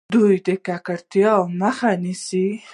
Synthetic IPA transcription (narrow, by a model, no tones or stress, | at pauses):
d̪ujd̪əkakaɾt̪jɑwməxanisi